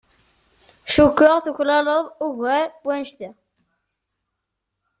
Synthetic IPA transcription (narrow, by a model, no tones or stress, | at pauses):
ʃukːəʁθuçlɑləðˤuʝæɾwænʃt̪i